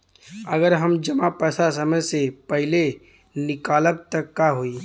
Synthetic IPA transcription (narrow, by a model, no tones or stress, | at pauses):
əɡəɾɦəmd͡ʒəmapɛːsasəməjsepəɦɪle | nɪkaːləb̚t̪əkːaɦoi